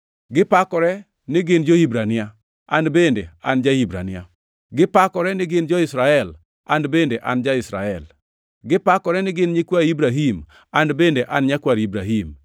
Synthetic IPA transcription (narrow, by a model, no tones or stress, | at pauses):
ɡɪpakɔɾɛ | nɪɡɪnd͡ʒoibɾanɪa | anbendea̰nd͡ʒaibɾa̰nɪa̰ | ɡɪpakɔɾɛnɪɡɪnd͡ʒɔisɾaɛl | ʔanbendeʔand͡ʒaɪsɾa̰ɛl | ɡɪpakɔɾɛnɪɡɪnɲikwaɾibɾaɦim | anbendeʔanɲakwaɾibɾaɦim